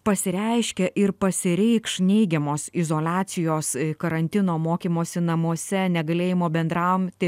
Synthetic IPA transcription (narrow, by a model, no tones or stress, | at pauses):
pɐsʲɪɾʲɛɪʃʲkʲɛʔɪɾpɐsʲɪɾʲɛɪkʃnʲɛɪɡʲɛmoːsɪzoːlʲɑːt͡ssʲɪjoːskɐɾɐnʲt̪ʲɪnoːmoːkʲiːmoːsʲɪnɐmuɔsʲɛnʲɛɡɐlʲeːjɪmoːbʲɛnd̪ɾɐʊmt̪ʲɪ